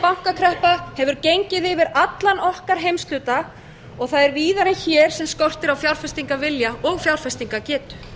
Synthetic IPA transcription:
pawŋ̥kakʰɾɛhpahɛvʏɾcejɲcɪðɪvɪɾat̪lanɔhkaɾ̥ɦejmst̪ʏːt̪a | ɔɣθaðɛɾviːðaɾɛnçɛːɾ̥sɛmskɔr̥t̪ɪɾawfjawɾ̥fɛst̪iŋkavɪljaɔɣfjawɾ̥fɛst̪iŋkacɛːt̪ʏ̥

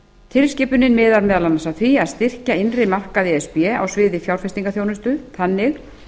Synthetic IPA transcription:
t̪ʰɪlscɪːpʏnɪnmɪːðaɾmɛːðalanːasaθviaðst̪ɪr̥caɪnrɪmar̥kaðɪɛspɛa̰wsvɪːðɪfjawɾ̥fɛst̪iŋkaθjownʏst̪ʏθanːɪx

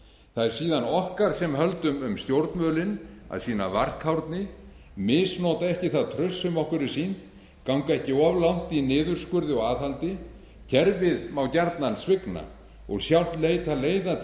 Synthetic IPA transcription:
θaðɛɾ̥siːðanɔhkaɾ̥sɛmɦœlt̪ʏmʏmst̪jowɾt̪nmœːlɪna̰ðsiːna̰var̥khawɾt̪nɪ | mɪːsnoːt̪aɛhcɪθaðt̪ʰɾœsːʏmɔhkʏɾɪɾ̥sin̥t̪ | kawŋkaɛhcɪɔvlawn̥t̪inɪːðʏɾ̥skʏɾðɪɔɣaːðhalt̪ɪ | cʰɛɾvɪðmawcaɾt̪nansvɪkna̰ | ɔ̰ɣsjawl̥t̪leːjt̪ʰaleːjða

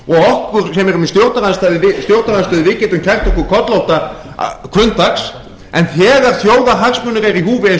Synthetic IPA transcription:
ɔɣɔhkʏɾ̥sɛmɛɾʏmist̪jowɾt̪aɾanst̪aːðɪɪst̪jowɾt̪ɾanst̪œːðɪvɪcɪt̪ʏmcʰɛr̥t̪ɔkʏɾkʰɔt̪lowht̪a | kʰvʏnt̪aks | ɛnθɛːɣaɾ̥θjoːwðaɦaksmʏnʏɾejɾiɦuːvɪ

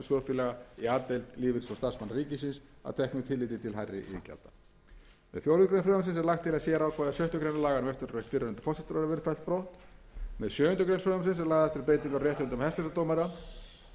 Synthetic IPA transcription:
sɔːfɪlɛɣaiaːt̪ejlt̪lɪːvɪɾ̥sɔst̪aɾsmanːɾiːcɪsɪnsa̰wt̪ʰɛhknʏt̪ʰɪlːɪːt̪ɪt̪ʰɪlɦajrːɪ̰ʔḭca̰lt̪ḁ | mɛðfjowɾʏkɾejnfɾœːɣams̬ɪnsɛɾlaxt̪ʰːɪlasjɛːɾawkʰvaːðasjœɥht̪ʏkɾejnalaːɣanʏmvɛft̪ʏnɾvejht̪fɪːɾʏhʏnt̪ʏ̥fɔsɪ̥t̪ɾaɾavɪɾfajlt̪̚pɾowht̪ | mɛðsjœːʏnt̪ʏkɾejnfɾœamsɪns̬ɛɾlaːɣðaɛft̪ɪɾpeːjt̪iŋkawrjɛːht̪hʏnt̪ʏmhɛst̪ɛsat̪owmaɾa

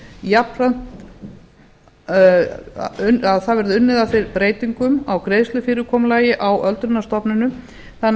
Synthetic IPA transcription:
japɾan̥t̪ | ʏnaðθaðvɛɾðʏʏnːɪðaθejɾpɾeːjt̪iŋkʏmawkɾejðst̪lʏfɪːɾʏkʰɔːmlaːjɪʔawʔœlt̪ɾʏnːast̪ɔpnʏnʏ | θan

